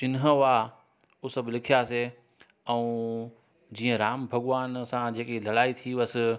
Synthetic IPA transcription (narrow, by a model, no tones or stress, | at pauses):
t͡ɕɪnɦəʋa | ʊsɐbɪlɪkʰijase | ɛ̃ũ | d͡ʑiːə̃ɾaːmbʱɐɠʋaːnsãd͡ʑeːkelɐɽaːit̪ʰiʋɐsɪ̆